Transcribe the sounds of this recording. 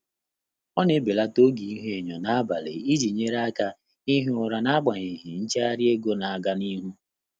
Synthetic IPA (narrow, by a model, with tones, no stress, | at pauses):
ɔ˦ne˦be˨la˦to˦ɡi˨i˦ɦe˦˨ɲɔ˨na˦ba˨lḛ˨i˦d͡ʒi˨ɲe˦ɾa˦ka˦ | i˦ɦʊ˨ɾa˨na˦ɡ͡ba˨ɲɪ˨ɦi˨n̩˦t͡ʃe˦a˦ɾɪ˦e˦ɡo˦na˨a˨ɡa˦ni˦ɦu˦